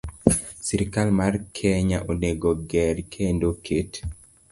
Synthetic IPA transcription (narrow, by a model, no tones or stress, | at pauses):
siɾikalmarkʰɛɲaʔoneɡoɡɛɾkʰendokʰet